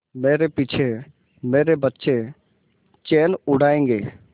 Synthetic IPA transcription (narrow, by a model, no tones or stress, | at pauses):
meːɾepit͡ʃʰe | meːɾebət̪ːʃe | t͡ʃeːnʊɽ̤ʱaːẽːŋɡeː